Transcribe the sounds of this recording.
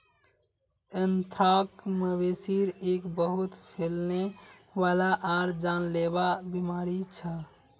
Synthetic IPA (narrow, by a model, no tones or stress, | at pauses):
ənt̪ʰɾakməbesiɾekbəɦut̪pʰelneʋalaʔaɾd͡ʒanlebabimaɾit͡ʃʰə